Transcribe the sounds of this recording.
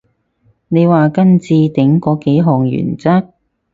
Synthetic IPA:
ne˨˧jwaː˨kɐ˥nt͡siː˧t̪ɪ˨˥ŋkɔː˨˥ke˨˥jɦɔː˨˩ŋjy̰ː˨˩nt͡sɐ˥k̚

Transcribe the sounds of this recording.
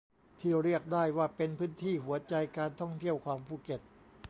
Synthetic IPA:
t̪ʰiː˥˩ɾi˥˩ək̚daː˥˩jwaː˥˩pe˧npʰɯː˦˥nt̪ʰiː˥˩ɦu˩˦ɐt͡ɕa˧jkaː˧nt̪ʰɔ˥˩ŋt̪ʰi˥˩əwkʰwaː˧mpʰuː˧˥˩ke˨˩t̪̚

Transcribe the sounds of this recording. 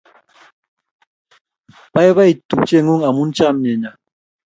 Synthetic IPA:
ba˦jβa˦i˨tu˨pt͡ʃe˦˨ŋu˦ŋa˨mu˦n̩˦t͡ʃa˦˨m˨ɲɛ˨ɲa˨

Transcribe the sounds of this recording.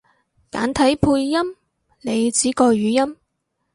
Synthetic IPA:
ka̰ː˨˥nt̪ʰɐ˨˥jpʰuː˧jːɐ˥m | ne˨˧jt͡siː˨˥kɔː˧ɥyː˨˧jɐ˥m

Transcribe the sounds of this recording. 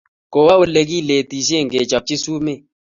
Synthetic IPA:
ko˨wa˦o˦le˨k̬i˦˨le˨ti˨s̬je˦˨ŋɡe˨t͡ʃa˨p̚t͡ʃɪ˦su˦mɪ˦˨

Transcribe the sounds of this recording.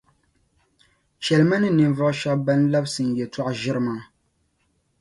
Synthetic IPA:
ʃɛ˨lma˦nɨ˦nɨ˨ɱ˨vɔ˦ʔʃa˦bba˦n˦la˦bsɨ˨n̩˨jɛ˨tɔ˦ʔʒɪ˦ɾɨ˦maː˦

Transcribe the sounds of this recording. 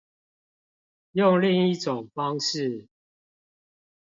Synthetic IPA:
jo˥˨ŋli˥˧ŋi˥˨ʈ͡ʂo˨˩ŋfɑ˦ŋʂɻ̩˥˨

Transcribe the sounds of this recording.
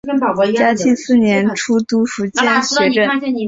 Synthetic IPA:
t͡ɕja˥t̪ʰi˥˧ŋsɹ̩˥˩njɛ˧˥nʈ͡ʂʰu˥t̪u˥ʂu˧˥t͡ɕjɛ˥˧nɕɥɛ˧˥ʈ͡ʂə˥˩˥

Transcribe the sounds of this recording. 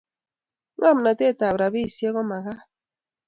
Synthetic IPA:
ŋa˦m̩˨na˨te˦˨ta˨βɾa˨bi˦i˨se˦ɣɔ˦ma˨ɣa˦

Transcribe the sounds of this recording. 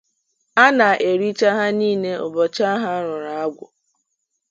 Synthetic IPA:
a˦na˨ʔe˨ɾi˦t͡ʃa˦ɦa˦niː˦˨ne˦o˨bɔ˨t͡ʃa˦ɦa˦ɾʊ˨ɾa˨a˦ɡʷʊ˨

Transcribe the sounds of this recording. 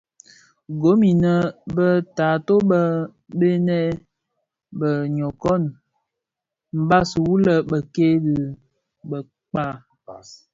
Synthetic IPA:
ɡo˨˦mi˨nə˨bə˦taː˨to˦bə˦ | be˦nɛ˦ | bə˨ɲɔ˨kɔ˦˨n | m̩˨ba˦sə˨wu˦lə˦bə˨ke˦dɨ˨ | bə˨ | k͡pa˦

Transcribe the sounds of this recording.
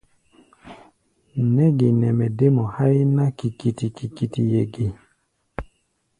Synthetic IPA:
nɛ˦ɡi˨nɛ˨mɛ˨de˦mɔ˨ha˦i˦na˦ki˨ki˨ti˨ki˨ki˨ti˨jɛ˨ɡi˨

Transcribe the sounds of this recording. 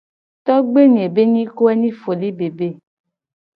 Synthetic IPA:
t̪ɔ˦ɡ͡be˦ɲe˨be˦ɲĩ˦ko˦ɛ˦nĩ˦fo˨li˦be˨be˦˨

